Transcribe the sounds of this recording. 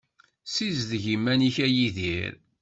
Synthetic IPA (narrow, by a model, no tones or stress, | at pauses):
sizðʝimːæniçæjiðiɾ